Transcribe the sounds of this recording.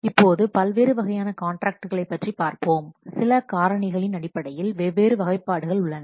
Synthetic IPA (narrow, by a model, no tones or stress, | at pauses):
ɪpːoːðɯpɐlʋeːɾɯʋɐɣɐjaːnɐkaːɳʈɾaːk̚ʈɯɣɐɭɐɪpːɐʈripaːɾpoːmsɪlɐkaːɾɐɳɪɣɐɭɪnɐɽɪpːɐɽɐjɪlʋeːʋeːɾɯʋɐɣɐɪpːaːɽɯɣɐɭʊɭːɐnɐ